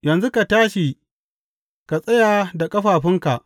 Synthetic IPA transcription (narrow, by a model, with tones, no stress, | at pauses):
jɐ˨nzu˦ka˨taː˦ʃi˨ | ka˨sʼɐ˦jaː˨da˨kʼɐ˦ɸaː˨ɸɪ˦ŋka˨ʔ